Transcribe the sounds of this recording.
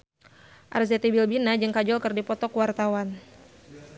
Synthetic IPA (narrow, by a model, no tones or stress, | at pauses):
ʔa̰rzɛt̪ibilbinad͡ʒɨŋkad͡ʒɔlkɨrdipɔt̪ɔkwart̪awan